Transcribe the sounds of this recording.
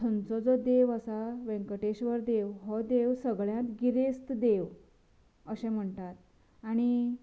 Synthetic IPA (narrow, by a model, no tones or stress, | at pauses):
tʰənt͡sɔd͡zɔd̪eʋəsaʋẽŋkəʈeɕʋəɾd̪eʋɦɔd̪eʋsəɡɭjãt̪ɡiɾest̪d̪eʋ | əɕɛ̃m̤əɳʈ̪at̪ | aɽ̃i